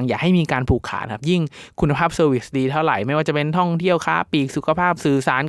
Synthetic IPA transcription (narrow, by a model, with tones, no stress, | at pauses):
ŋjaː˨˩k̚ha˥˩jmiː˧kaː˧npʰuː˨˩kʰːa̰ː˨˩˦nkʰa˦˥˩p̚ji˥˩ŋkʰu˧nːa˧pʰaː˥˩p̚sɤː˧wi˦˩sdiː˧t̪ʰa˥˩wɾa̰˨˩jma˥˩jwaː˥˩t͡ɕa˨˩pe˧nt̪ʰɔ˥˩ŋt̪ʰi˥˩əwkʰa̰ː˦˥piː˨˩k̚su˨˩kʰa˧pʰaː˥˩p̚sɯː˧saː˩˦˥n